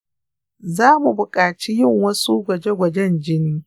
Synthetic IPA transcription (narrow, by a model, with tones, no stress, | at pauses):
zaː˦mu˨bʊ˨kʼaː˨t͡ʃi˦jɪ˦˨ŋwɐ˦su˦ɡʷɐ˨d͡ʒe˦ɡʷɐ˨d͡ʒɛ˦nd͡ʒɪ˦niː˦